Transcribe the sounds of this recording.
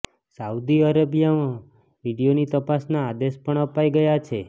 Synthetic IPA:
saud̪iəɾəbijamã | ʋiɽijonit̪əpasnaːd̪espəɳəpaiɡəjat͡ʃʰe

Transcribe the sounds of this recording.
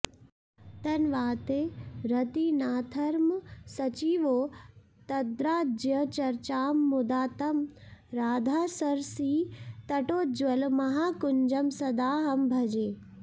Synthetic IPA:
t̪ɐnʋaːt̪eɾɐt̪inaːt̪ʰɐɾmsɐt͡ʃiːʋoː | t̪ɐd̪ɾaːd͡ʒjɐt͡ʃɐɾt͡ʃaːmːʊd̪aːt̪ɐmɾaːd̪ʱaːsɐɾsiːt̪ɐʈoːd͡ʒʋɐlmɐɦaːkʊɲd͡ʒɐmsɐd̪aːɦɐmbʱɐd͡ʒeː

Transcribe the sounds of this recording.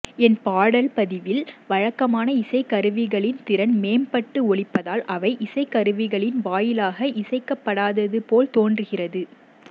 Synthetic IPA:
ɛnpaːɽɐlpɐðɪʋɪlʋɐɻɐkːɐmaːnɐɪsɐɪkːɐɾɯʋɪɣɐɭɪnt̪ɪɾɐnmeːmpɐʈːɯɔɭɪpːɐðaːlʔɐʋɐɪʔɪsɐɪkːɐɾɯʋɪɣɐɭɪnʋaːjɪlaːɣɐʔɪsɐɪkːɐpːɐɽaːðɐðɯpoːlt̪oːndrɯɣɪrɐðɯ

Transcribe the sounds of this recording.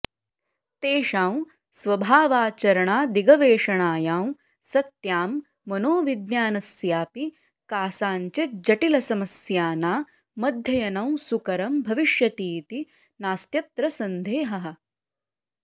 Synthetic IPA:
t̪eːʃaːw | sʋɐbʱaːʋaːt͡ʃɐɾɐɳaːd̪iɡɐʋeːʂɐɳaːjaːw | sɐt̪jaːmː | ɐnoːʋid̪njaːnɐsjaːpi | kaːsaːɲt͡ʃed͡ʒɐʈilɐsɐmɐsjaːnaː | mɐd̪ʱjɐjɐnɐwsukɐɾɐmbʱɐʋiʃjɐt̪iːt̪i | naːst̪jɐt̪ɾɐsɐnd̪ʱeːɦɐɦɐ̆

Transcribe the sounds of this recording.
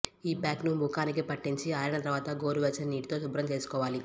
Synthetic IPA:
iːpaːknumukaːnik̬ipɐʈːiɲt͡ʃiaːjɐnɐt̪ɐɾʋaːt̪ɐɡoːɾuʋɛt͡ʃːɐniːʈt̪o̞ːsubɾɐmt͡ʃe̞ːsu̥kɔːʋaːli

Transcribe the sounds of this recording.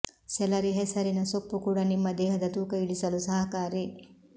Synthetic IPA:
sɛlɐɾiɦɛsɐɾinɐsopːukuːɽɐnimːɐd̪ɛːɦɐd̪ɐt̪uːkɐiɭisɐlusɐɦɐkaːɾi

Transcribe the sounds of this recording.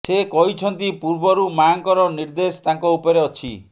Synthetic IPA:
sekɔɦit͡ʃʰɔnt̪ipuɾbɔɾumaŋkɔɾɔniɾd̪est̪aŋkɔupɔɾeɔt͡ʃʰḭ

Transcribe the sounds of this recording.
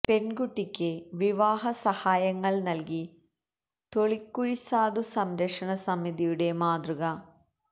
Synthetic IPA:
pe̞nɡuʈːikʲːɨʋiʋaːɦɐsɐhaːjɐŋːɐɭnɐlki | t̪o̞ɭikːuɻisaːd̪usɐmɾɐkʂɐɳɐsɐmːiðijuɽe̞maːd̪ruɣɐ

